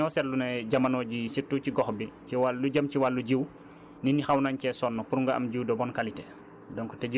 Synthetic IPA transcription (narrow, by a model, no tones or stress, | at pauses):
ɔsɛtlunɛɟɐmɐnɔːɟisitːuːciɡɔxbiciwalːuɟɐmciwalːuɟiw | ninixɐwnaɲcɛsɔnːɔpuɾuŋɡɐɐ̰mɟiwdɔbɔnkalitɛ | dɔŋkutɛɟi